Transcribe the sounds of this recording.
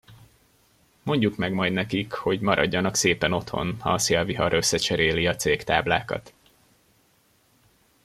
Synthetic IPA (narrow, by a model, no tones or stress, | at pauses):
mo̞ɲɟukmɛɡmɒjd̪nɛkikho̞ɟmɒɾʔɒɟːɒnɒkseːpɛno̞t̪ho̞̰nhɒ̰seːlviɦɒɾøsːɛt͡ʃɛɾeːliɒt̪seːkt̪aːbla̰ːkɒ̰t̪